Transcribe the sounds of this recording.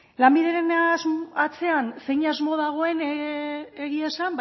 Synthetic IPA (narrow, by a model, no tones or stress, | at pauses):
lambiðe̞ɾe̞nazat͡se̞anse̞jɲazmo̞ðaɣ̞o̞e̞n | eɣiasamb